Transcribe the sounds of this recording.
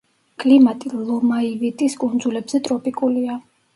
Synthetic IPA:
kʼlimat̪ʼilˠɔmaivit̪ʼiskʼund̪zulɛbzɛt̪ʼɾɔpʼikʼulia

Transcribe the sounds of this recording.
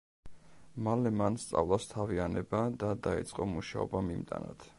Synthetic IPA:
malɛmanst̪sʼa̰vlˠast̪ʰavianɛbad̪ad̪aḭt̪sʼqʼɔmuʃaɔ̰bamimt̪ʼa̰na̰t̪ʰ

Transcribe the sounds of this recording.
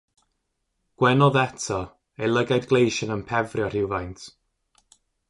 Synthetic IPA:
ɡ̥wɛnɔðɛtʰɔ | ejlˠəɡajdɡlˠejʃənənpʰɛvrjɔr̥ɪwvajntʰ

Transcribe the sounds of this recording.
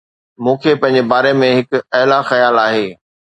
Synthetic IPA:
mũːkʰepɐ̃ɦɪ̃ɲ̆d͡ʑebaːɾemẽɦɪkɐɦlaxɐjaːlaːɦeː

